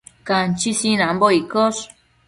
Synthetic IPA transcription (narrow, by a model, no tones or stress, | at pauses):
kant͡ʃisinamboikos